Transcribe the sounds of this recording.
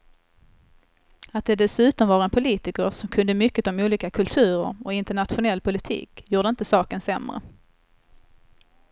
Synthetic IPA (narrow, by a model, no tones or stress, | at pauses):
at̪̚d̪ɛd̪ɛsʉ̟ːt̪ɔmvɑːɾaɛnpʰʊliːt̪ɪkəɾʂɔmkʰɵnd̪əmʏkːət̪ɔmuːliːkakʰɵlt̪ʰʉ̟ːɾə̰ɾɔɪnt̪əɳat̪ɧʊnɛlːpʰʊlɪt̪ʰḭːkjuːɖəɪnt̪əsɑːkənsɛmɾə̰